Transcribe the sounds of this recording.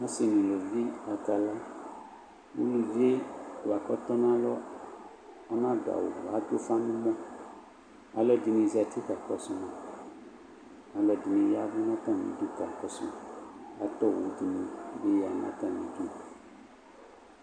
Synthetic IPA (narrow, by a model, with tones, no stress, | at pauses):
nã˦se˨nĩ˨lo˨vi˦a˨ta˨la˦ | wṵ˦lu˨vi˦e˦wo˨a˨kɔ˦t̪ɔ˦nã˦lɔ˦ | ɔ˦nã˦da̰˨wo̰˨wa˨˦t̪o˦fã˦nũ˦mɔ̃˦ | a̰˨lɔ˦di˨nĩ˨za˨t̪ʰi˦ka˨kɔ˨sũ˨nã˨ | a˨lɔ˨di˨nĩ˨ja˦vu˦nã˦tɔ̃˦˨nḭ̃˨du˦ka˨kɔ˨sṵ˦a˨t̪ɔ˦wo˨˦di˨nĩ˨be˦ja˨nã̰˦t̪ã˦nḭ̃˨d͡ʒu˦˨